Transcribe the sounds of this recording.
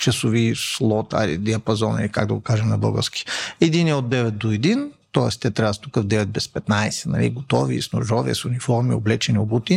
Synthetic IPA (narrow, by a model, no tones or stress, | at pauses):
t͡ʃɐsʊvislˠɔt̪a̰lḭd̪iɐpɐzɔnɐ̰likaɡd̪ɐɡokaʒɛmnɐbə̰ɡə̰skʲi̥ɛd̪inɛod̪ːɛvɛt̪̚d̪oɛd̪int̪ɔɛst̪ɛt̪ɾavst̪ukəvd̪ɛvɛt̪̚bɛspɛt̪najsɛ̥nɐ̰lḭɡot̪ɔvḭːsno̰ʒɔviɛ̰sʊnifɔɾmio̰blɛt͡ʃɛniobut̪i